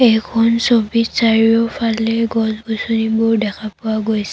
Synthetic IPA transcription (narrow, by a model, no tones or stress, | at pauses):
ɛjkʰɔnsobitsaɹiɔpʰalɛɡɔsɡusonibʊɹdɛkʰapʊaɡojsɛ